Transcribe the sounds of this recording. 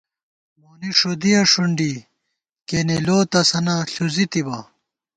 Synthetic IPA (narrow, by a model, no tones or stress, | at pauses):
moːniʂod̪ijɐʂuɳɖi | keneloːt̪ɐsɐnɐɬuzit̪ibɐ